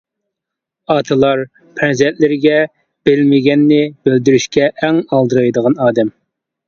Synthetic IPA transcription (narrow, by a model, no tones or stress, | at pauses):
ɑt̪ʰɨlˠɑɾ | pʰɛnzɛnt̪lɪɾɪɡʲɛ | b̥ɪlmɪɡʲɛnːɪb̥øld̪yɾyʃkʲɛʔːŋɑlˠd̪ɨɾɑjd̪əʁɑnɑːd̪ɛm